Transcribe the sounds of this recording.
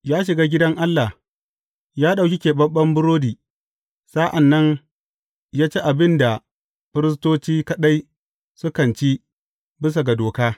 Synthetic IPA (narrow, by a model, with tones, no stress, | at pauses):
jaː˦ʃ̬ɪ˨ɡaː˦ɡʲɪ˦dɐ˦ŋʔa˦lːa˨h | jaː˦ɗa˨kʲɪ˦kʲeː˨bɐ˦ɓːɐ˦mbʊ˦ɾoː˦diː˨ | saː˦ʔa˨nːɐ˦ŋ | jaː˦t͡ʃe˦ʔa˨bɪ˦nda˨ | ɸɪ˦ɾɪ˦s̬toː˦t͡ʃiː˦kɐ˦ɗa˦j | sʊ˦kɐ˨nt͡ʃi˦ | bɪ˦s̬a˨ɡa˨doː˨kaː˦